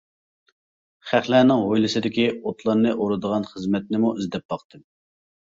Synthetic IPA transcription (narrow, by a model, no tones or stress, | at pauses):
χæχlænɪŋʁojlˠɨsɨd̪ɪkʲiot̪ʰlˠɑɾnɨʔoɾɨd̪əʁɑnχəzmɛt̪̚nɪmuyzd̪ɛp̚bɑqt̪ɨm